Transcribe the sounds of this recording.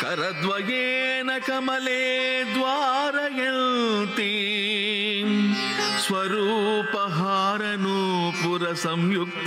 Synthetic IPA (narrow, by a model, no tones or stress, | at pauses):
kɐɾɐd̪ʋɐjeːnɐkɐmɐleːd̪ʋaːɾɐjɐlt̪i | sʋɐɾuːpɐɦaːɾɐnupuɾɐsɐmjuk̚t̪